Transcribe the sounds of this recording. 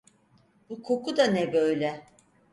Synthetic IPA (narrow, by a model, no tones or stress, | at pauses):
bukʰo̞kʰud̪anɛbø̞jlʲɛ